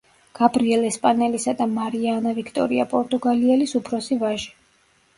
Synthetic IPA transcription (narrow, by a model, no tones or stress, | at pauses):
ɡ̥abɾiɛlɛspʼanɛlisad̪amaɾianavikʰt̪ʼɔ̰ɾia̰pʼɔɾt̪ʼuɡaliɛlisupʰɾɔsivaʒɛ̥